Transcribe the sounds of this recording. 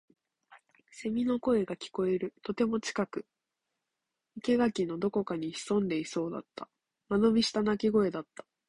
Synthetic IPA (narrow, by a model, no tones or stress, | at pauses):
se̞mʲino̞ko̞e̞ɡakʲi̥ko̞e̞ɾɯ̟t̪o̞t̪e̞mo̞t͡ɕi̥kakɯ̟ | ike̞ɡakʲino̞d̪o̞ko̞kaɲ̟içi̥sõ̞nd̪e̞iso̞ːd̪a̰t̪ːa | mano̞bʲiɕi̥t̪anakʲiɡo̞e̞d̪at̪ːḁ